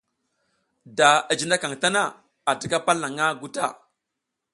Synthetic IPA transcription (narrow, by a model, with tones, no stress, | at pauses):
da˨a˨d͡ʒi˨na˦ka˨ŋta˦na˦˨ | a˨ti˦ka˦pa˦lːa˨ŋa˦ɡu˦ta̰˦˨